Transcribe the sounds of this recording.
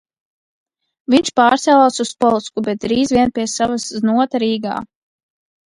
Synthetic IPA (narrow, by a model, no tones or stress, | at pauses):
viɲʲt͡ʃpaːɾt̪sɛlˠaːsuspɔlˠskubɛt̪̚d̪ɾiːzviɛnpʲiɛsavasznuɔt̪aɾiːɡa̰ː